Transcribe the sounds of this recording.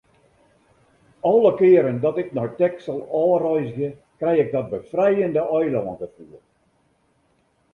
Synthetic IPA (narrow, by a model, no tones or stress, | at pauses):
ɔlˠəkɪːəɾəndɔtɪknɔjtɛksəlˠɔːrɔjzəɣə | krɛjɪɡ̚dɔt̚bəfrɛjəndəʔɔjlɔːəntəfur